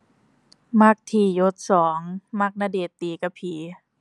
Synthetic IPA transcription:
ma˧˥˩k̚t̪ʰiː˨˩jo˧˦t̪̚sɔː˩˦ŋma˧˥k̚na˧deː˨˩t̪ːiː˨˩ka˧pʰiː˨˦

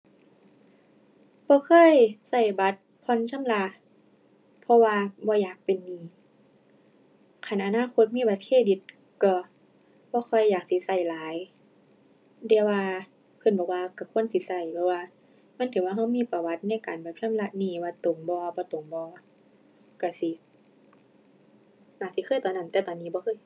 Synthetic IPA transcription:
bɔː˧˦kʰɤː˧˥˨jsa˧˩jba˧˦t̪̚pʰɔ˧˨nsʰa˧˥˨mla˧ʔ | pʰɔ˧waː˧bɔː˧˦jaː˨˩k̚pe˨nːiː˧˩ | kʰa˨˧˩nʔa˧naː˧˥˨kʰo˧t̪̚miː˧˥˨ba˧t̪̚kʰeː˧˥˨di˧˦t̪̚ | kɔ˧˩ | b̥ɔː˧˦xʰɔ˧˥˩jːaː˨˩k̚si˧˦sa˧˩jlaː˨˦j | dɛː˧˩waː˧ | pʰɤ˧˨nbɔː˨˧˩k̚waː˧ka˧˩kʰu˧˥ə˨nsi˧˦sa˧˩jpʰɔ˧waː˧ | ma˧˥˨nt̪ʰɯː˨˦waː˧ɦa˧˩wmiː˧˥˨pa˧wa˧˦t̪̚na˧˩˨jka̰ː˨nba˨˩p̚ʰɯ˧˥˨mla˧˨ʔniː˧˩waː˧t̪o˨˦ŋbɔː˧bɔː˧˦t̪o˨˩ŋbɔː˧˦ | ka˧˩si˧˦ | naː˧˩si˧˦kʰɤː˧˥˨jt̪ɔː˨˦nːa˧˨nt̪ɛː˧˩t̪ɔː˨nːiː˧˦bɔː˧˦xʰɤː˧˨j

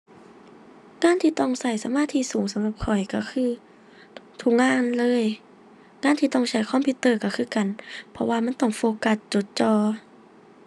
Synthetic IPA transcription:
ŋaː˧˥˨nt̪ʰiː˧˩t̪ɔ˧˩ŋsa˧˩jsa˧˦maː˧˥˨t̪ʰiː˧˥˨suː˨˩˦ŋsa˨˦mla˧˩p̚kʰɔ˨˩jka˧˩kʰɯː˧˥˩ | t̪ʰu˧˥k̚ŋaː˧˥˨nlɤː˧˥˨j | ŋaː˧˥˨nt̪ʰiː˧t̪ɔ˧˩ŋt͡ɕʰa˧˩jkʰɔː˧˥˨pʰi˧t̪ːɤː˧˩˨ka˧˩kʰɯː˧˩˨ka˨npʰɔ˧waː˧ma˧˥˨nt̪ɔ˧˩ŋfoː˧ka˧˩t͡ɕo˧˦t̪̚t͡ɕɔː˧˩

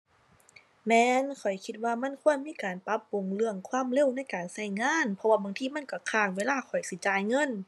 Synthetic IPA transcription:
mɛː˧˥nkʰɔ˨˩jkʰi˧t̪̚waː˧˩ma˧˥˨nkʰu˧˥˩ənmiː˧˥˨kaː˨˩npa˧˦˥pːu˨˩ŋlɯ˧˨əŋkʰwaː˧˥˨mle˧˥˨wna˧˥˨jkaː˨˩nsa˧˩jŋaː˧˥˨npʰɔ˧waː˧˩baː˧˨ŋt̪ʰiː˧˥˨ma˧˥˨nka˧˩kʰaː˧˩k̚weː˧˨laː˧˥˨kʰɔ˨˩jsi˧˦˩t͡ɕaː˨˩jŋɤ˧˥˨n

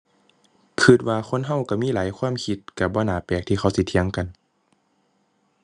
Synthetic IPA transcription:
kʰɯ˧˩t̪̚waː˧kʰo˧˥˨nɦa˧˩˨wka˧˩miː˧˥˨laː˨˦jkʰwaː˧˥˨mkʰi˧t̪̚ka˧˩bɔː˧˥˨naː˨˦pɛː˨˩k̚t̪ʰiː˧xʰa˧˩wsi˧˦t̪ʰi˧ə˨ŋka˨n

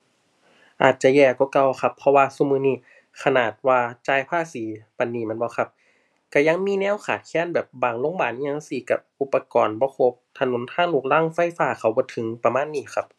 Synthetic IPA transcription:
ʔaː˨˩t̪̚t͡ɕa˧˨jɛː˧˩kɔː˧˦ka˧˩˨wxa˧pʰːɔ˧waː˧suː˧˨mɯː˧˨niː˧˩˨ | kʰa˧naː˨˩t̪̚waː˧t͡ɕaː˧˨jpʰaː˧˥˨siː˨˦pa˧˨nːiː˧˨mɛ˧˥˨nbɔː˧˦xʰa˧p̚ | ka˧˩ja˧˨ŋmiː˧˥˨nɛː˧˥˨wxʰaː˨˩t̪̚kʰɛː˧˥˨nbɛː˨˩p̚baː˨˩ŋlo˧˥˨ŋbaː˨˩n˧ɲaː˧˨ŋsi˨˦ka˧˩p̚ʔu˧˦pːa˧kɔː˨nbɔː˧˦pʰo˧˦p̚t̪ʰa˧no˨˦nt̪ʰaː˧˥˨ŋluː˧˩k̚laː˧˥˨ŋfa˧˥˨jfaː˧˩˨kʰa˧˩wbɔː˧˦t̪ʰɯ˨˦ŋpa˧maː˧˥˨nːiː˧˩xʰa˧˥p̚

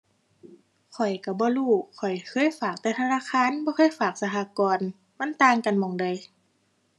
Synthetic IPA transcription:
kʰɔ˨˩jka˧˩bɔː˧˦luː˧˩kʰɔ˨˩jkʰɤː˧˥˨jfaː˨˩k̚t̪ɛː˧˩t̪ʰa˧naː˧˥˨xʰaː˧˥˨nbɔː˧xʰɤː˧˥˨jfaː˨˩k̚sa˧ɦʰaː˧˨kɔː˨n | ma˧˥˨nt̪aː˧ŋka˨nmɔː˨˧˩ŋdɯ˧˨j

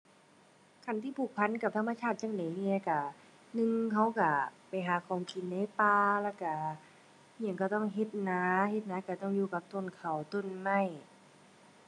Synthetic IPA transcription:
kʰa˧˩˨nt̪ʰiː˧˩pʰuː˧˩k̚pʰa˧˥˨nka˧p̚t̪ʰmːa˧t͡ɕʰaː˧˥˩t̪̚t͡ɕaː˧˨ŋda˨˦ni˧˨ka˧˩ | nɯ˧ŋɦa˧˩wka˧˩pa˨˧˩jɦaː˨˦kʰɔː˨˧˩ŋkʰi˧˨nːa˧˥˩paː˧laː˧˩ka˧˩ | ɲi˧˩˨ŋkɔː˧˩t̪ɔ˧˥˩ŋɦe˧t̪̚naː˧˦he˧t̪̚naː˧˥ka˧˩t̪ɔ˧˩˨ŋjuː˧˨ka˧˦p̚t̪o˧˩˨nkʰa˨˩wt̪o˧˩˨nma˧˩˨j

